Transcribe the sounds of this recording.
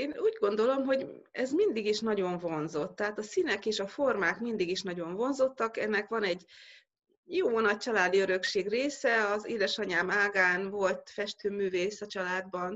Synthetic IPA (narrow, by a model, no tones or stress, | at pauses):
eːnuːɟɡo̞n̪d̪o̞lo̞mɦo̞ɟ | ɛzmind̪iɡiʃnɒɟo̞ɱvo̞nzo̞t̪ːɛɦaːt̪ɒsinɛkeːʃɒfo̞rmaːkmind̪iɡiʃnɒɟo̞ɱvo̞nzo̞t̪ːɒkɛ̰nːɛkʋɒnɛɟː | joːnɒc̚t͡ʃɒlaːd̪iø̞ɾø̞kʃeːɡreːsɛɒzeːd̪ɛʃɒɲaːmaːɡaːnvo̞lt̪fɛʃt̪øːmyːveːsɒt͡ʃɒlaːd̪̚bɒn